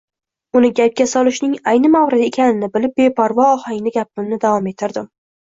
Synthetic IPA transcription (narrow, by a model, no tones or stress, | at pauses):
ʊnɪɡʲap̚kʲasɒlˠɪʃnɪŋajnɪmawɾɪt̪ekʲʰanɪnɪbɪlɪp̚be̞pʰaɾvɒːhaŋnɪɡʲap̚ɪmnɪd̪avɒme̞t̪ʰɪɾd̪ɪm